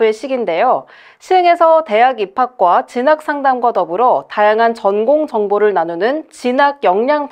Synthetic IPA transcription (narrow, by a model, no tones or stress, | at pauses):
eɕ͈ʰiɡinde̞jo | ɕʰieŋe̞sʰʌte̞ɦaɡipʰak̚k͈wat͡ɕinak̚s͈ʰaŋdamɡwadʌbɯɾotajaŋɦant͡ɕʌnɡoŋd͡ʑʌŋboɾɯɭnanunɯnt͡ɕinaɡ̚jʌŋɲaŋp